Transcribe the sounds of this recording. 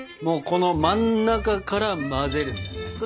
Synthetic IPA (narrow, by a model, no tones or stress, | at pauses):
mo̞ːko̞no̞mãnːakakaɾamaze̞ɾɯ̟